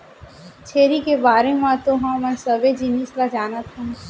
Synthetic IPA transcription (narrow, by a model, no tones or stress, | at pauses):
t͡ʃʰeːɾikebaːɾemãt̪oɦãmɛ̃sɐbed͡ʒiniːslad͡ʒaːnət̪ɦũ